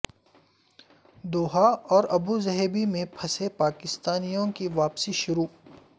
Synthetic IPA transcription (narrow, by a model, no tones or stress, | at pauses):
d̪oːɦaɔːɾɐbuzɐɦebimẽpʰɐsepaːkɪst̪aːnijõkiʋaːpsiʃʊɾuː